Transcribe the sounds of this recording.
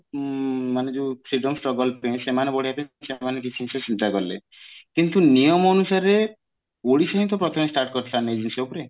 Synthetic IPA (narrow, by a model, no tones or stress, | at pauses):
maned͡ʒufʰɾiɖɔmsʈɾɔɡɔlpẽsemanebɔɽijapẽsemanek̬it͡ʃʰiĩt͡ʃʰɔsint̪akɔɾlḛ | kint̪unijɔmɔːnusaɾe | oɽisɔ̃ɦĩt̪ɔpɾɔt̪ʰɔmesʈaɾʈkɔɾt̪ʰilaned͡ʒuniseupɔɾe